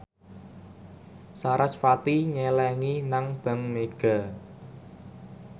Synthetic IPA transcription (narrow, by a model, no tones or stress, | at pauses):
saɾasfat̪iɲɛlɛŋinaŋb̥a̤ŋmeɡ̥a̤